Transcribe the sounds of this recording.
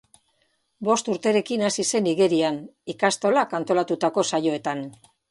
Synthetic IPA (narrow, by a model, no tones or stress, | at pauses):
bo̞st̪uɾt̪e̞ɾe̞kinasise̞niɣe̞ɾianikast̪o̞lakant̪o̞lat̪ut̪ako̞sajo̞e̞t̪an